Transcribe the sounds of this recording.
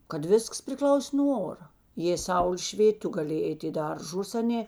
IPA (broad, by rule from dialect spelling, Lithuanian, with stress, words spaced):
kɐt ˈʋʲɪsks pʲrʲɪˈklˠɐʊsʲeː nuɔ ˈoːrɐ jeː ˈsɐʊlʲeː ˈʃʲʋʲeːtʲ ˈtʊ ɡɐˈlʲeːjeː ˈɛɪtʲ ɪ ˈdɐrˌʒʊs ɐˈnʲeː